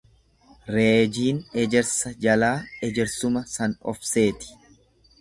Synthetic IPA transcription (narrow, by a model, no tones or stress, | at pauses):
ɾe̞ːd͡ʒiːnɛd͡ʒɛɾsɐd͡ʒɐlaːɛd͡ʒɛɾsʊmɐsɐnɔ̰fse̞ːt̪ɪ̥